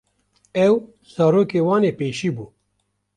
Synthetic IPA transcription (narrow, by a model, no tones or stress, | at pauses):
ɛw | z̥ɑːɾoːkeːwɑːneːpeːʃiːbuː